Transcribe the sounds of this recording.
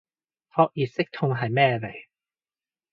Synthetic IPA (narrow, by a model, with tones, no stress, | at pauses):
hʰɔː˧k̚jiː˨˩t̚sɪ˥k̚t̪ʰʊ˧ŋɦɐ˨jmɛː˥˧le˨˩